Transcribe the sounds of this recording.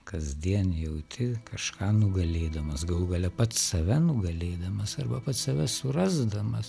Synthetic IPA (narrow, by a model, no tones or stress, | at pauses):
kɐzʲd̪ʲiɛnjɛʊt̪ʲʰɪkɐʃkʰɑːnʊɡɐlʲeːd̪ɐmɐsɡɐlˠɡɐlʲɛpɐt̪ssɐʋʲɛnʊɡɐlʲeːd̪ɐmɐsɐrbɐpɐt̪sɐʋʲɛsʊrɐzd̪ɐmɐs